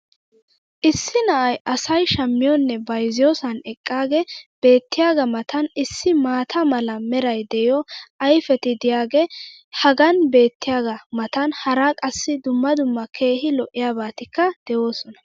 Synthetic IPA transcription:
ʔɪsːɪnɐʔɐjʔɐsɐjʃɐmːɪjɔnːɛbɐjzɪjɔːsɐnɛkʼːaːɡɛb̥e̞ːt̪ːɪjaːɡɐmɐt̪ʰɐnɪsːɪmaːt̪ʰɐmɐlɐmɛɾɐjd̪ɛjɔʔɐjfɛt̪ɪd̪ɪjaːɡɛ | hɐɡɐnbe̞ːt̪ːɪjaːɡɐmɐt̪ɐnhɐɾakʼɐsːɪd̪ʊmːɐd̪ʊmːɐkʰe̞ːhɪlɔʔːɪjaːbaːt̪ɪkːɐd̪̥ɛwo̞ːsɔnɐ̥

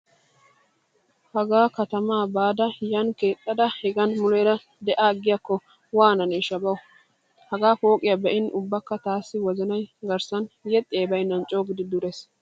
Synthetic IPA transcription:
hɐɡaːkɐt̪ɐmaːbaːd̪ɐjɐnke̞ːt̪ʼːɐd̪ɐhɛɡɐnmʊlɛjɾɐ | d̪ɛʔaːɡɪjɐkːɔ | waːnɐneʃɐbɐwʊ | hɐɡaːfoːkʼɪjɐbɛʔɪnʔʊbːɐkːɐt̪aːsːɪwɔzɐnɐjɡɐɾsɐnjɛt̪ʼɪjeːbɐjɪnːɐnt͡ʃʼoːɡɪd̪ɪd̪ʊɾes

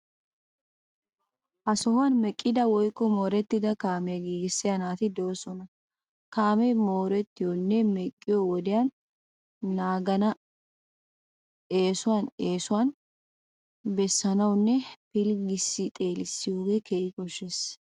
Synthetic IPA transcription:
ʔɐsɔhanmɛkʼːɪd̪ɐwɔjkːɔmoːɾɛt̪ːɪd̪ɐkaːmɛɡiːɡɪsːɪjɐnaːt̪ɪd̪ɔwɔsɔnɐ | kaːmɛmoːɾɛt̪ːɪjɔnːɛmɛkʼːɪjɔwɔd̪ɪjanː | aːɡɐnɐ | eːsʊwaneːsʊwan | bɛsːɐnɐwnːɛpɪlɡɪsːɪt̪ʼe̞ːlɪsːɪjuːɡɛkeːʔɪkɔʃːes

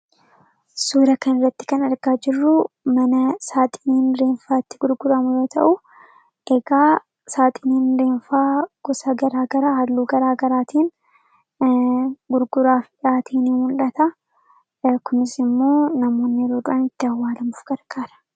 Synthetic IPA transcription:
suːɾɐkɐnɪrːɐt̪ːɪ̥kɐnɐɾɡaːd͡ʒɪrːʊ | mɐnɐsaːt̪ʼɪ̥niːnɾeːnfaːɪt̪ːɪɡʊɾɡʊɾɐmʊjo̞ːt̪ʰɐ̰ʔʊ | ʔɛɡaː | saːt̪ʼɪniːnɾe̞ːnfaːɡ̥ʊsɐɡɐɾaːɡɐɾaːhɐlːuːɡɐɾaːɡɐɾaːt̪ʰiːn | ɡʊɾɡʊɾaːfᶑaːt̪ʰiːniːmʊlᶑɐt̪ɐ | kʊnɪsɪmːo̞ːnɐmo̞ːnːɪɾoːd̪ʊʔɐnɪt̪ːɪɐwːaːlɐmʊfɡ̥ɐɾɡ̥aːɾɐ̥

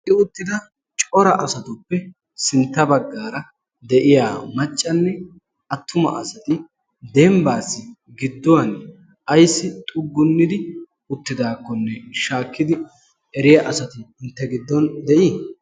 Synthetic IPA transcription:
ʔɪʊt̪ːɪd̪ɐ | t͡ʃʼɔɾɐʔɐsɐt̪ʊpːɛ | sɪnt̪ːɐbɐɡːaːɾɐ | d̪ɛʔɪjaːmɐt͡ʃʼːɐnːɛ | ʔɐt̪ːʊmɐ̰ʔɐsɐt̪ɪ | d̪ɛmbaːsːɪ | ɡɪd̪ːɔwɐn | ʔɐjsːɪt̪ʼʊɡːʊnːɪd̪ɪ | ʊt̪ːɪd̪aːkːɔnːɛʃaːkːɪd̪ɪ | ɛɾɪjɐʔɐsɐt̪ɪɪnt̪ːɛɡɪd̪ːɔnd̪ɛʔiː

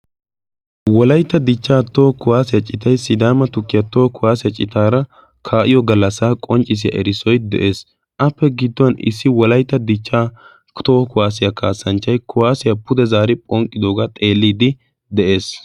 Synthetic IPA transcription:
wɔlɐjt̪ːɐd̪ɪt͡ʃːaːt̪oːkʊwaːsɪjɐt͡ʃʼɪt̪ɐjsɪd̪aːmɐt̪ʊkːɪjɐt̪oːkʊwaːsɪjɐt͡ʃʼɪt̪aːɾɐ | kʰaːʔɪjɔɡɐlːɐsaːkʼɔnt͡ʃʼːɪs̬ɪjɐ̰ʔɛ̰ɾɪsɔjd̪ɛ̰ʔe̞ːs | ʔɐpːɛɡɪd̪ːɔwɐnɪ̰sːɪwɔlɐjt̪ːɐd̪ɪt͡ʃːaː | t̪oːkʊwaːs̬ɪjɐkaːsɐnt͡ʃːɐjkʊwaːsɪjɐpʊd̪ɛzaːɾɪpʼɔŋkʼːɪd̪oːɡat̪ʼe̞ːlːiːd̪ɪ | d̪ɛʔe̞ːs

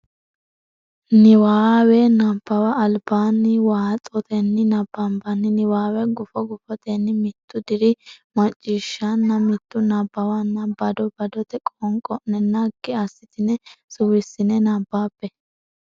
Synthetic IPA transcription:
nɪwaːwɛnɐbːɐwɐːlbaːnːɪwaːɐt͡sʼɔt̪ɛnːɪnɐbːɐmbɐnːɪnɪwaːwɛɡʊfɔɡʊfɔt̪ɛnːɪmɪt̪ʰːʊd̪ɪɾɪmɐt͡ʃʼːiːʃːanːɐmɪt̪ːʊnɐbːɐwɐnːɐbɐd̪ɔbɐd̪ɔt̪ɛkʼɔŋkʼɔʔnːɛnɐɡːɪasːɪt̪ɪnɛsʊwɪsːɪnɛnabːaːpːɛ

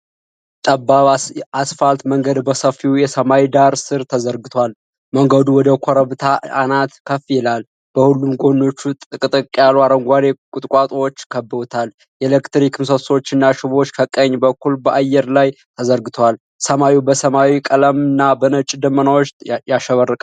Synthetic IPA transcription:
t̪ʼəbːaasfalt̪məŋɡəd̪bəsəfːiwjɛsəmawid̪aɾsɨɾt̪ʰəzəɾɡɨt̪ʰwal | məŋɡəd̪uwɔd̪əkʷʰoɾəβt̪ʰaanat̪kʰəfjɛlal | b̥əhulːumɡo̞nːo̞t͡ʃːut̪ʼɨkʼɨt̪ʼɨkʼːjaluaɾəŋɡʷad̪ekʼʊt̪ʼkʷʼat̪ʼwot͡ʃːkʰəbːɨot̪ʰal | jɛlekt̪ɾikʰɨmsəso̞t͡ʃːɨnːaʃɪβo̞t͡ʃːkʰəkʼəɲːbəkʰːulbəʔajːɛɾlajt̪ʰəzəɾɡɨt̪ʰwal | səmawibəsəmawikʼələmɨnːabənət͡ʃʼd̪əmːənawot͡ʃjaʃəβərːəkʼ

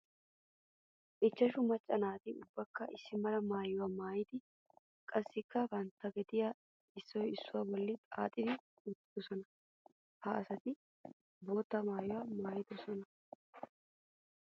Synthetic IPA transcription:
ʔɪt͡ʃːɐʃʊmɐt͡ʃʼːɐnaːt̪ɪʊbːɐkːɐʔɪsːɪmɐlɐmaːjʊwamaːjɪd̪ɪ | kʼɐsːɪkːɐbɐnt̪ːɐɡɛd̪ɪjɐ | ɪsːɔjɪsːʊwabɔlːɪt̪ʼa̰ːt̪ʼɪd̪ɪ | ʊt̪ːɪd̪ɔsɔnɐ | haɐsɐt̪ɪ | bo̞ːt̪ːɐmaːjʊwɐmaːjɪd̪ɔsɔnɐ

